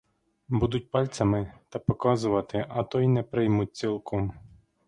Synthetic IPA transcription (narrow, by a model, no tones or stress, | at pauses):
bud̪ʊt̚ʲpɑlʲt̪sʲɐmɪt̪ɐpɔkɑzʊʋɐt̪ɪʔɐt̪ɔjnɛpɾɪjmʊt̚ʲt͡ssʲilˠkɔm